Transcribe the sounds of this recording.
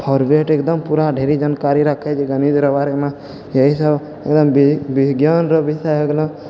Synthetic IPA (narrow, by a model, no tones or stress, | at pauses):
pʰɔɾbeʈekd̪əmpuɾaɖʱeɾid͡ʒankaɾiɾəkʰɛt͡ʃʰiɡənid͡ʒ̪ɾəbaɾemã | jəɦisəb | ek̚d̪əmbbɪɡjanɾəbisaɦeɡlɔ̃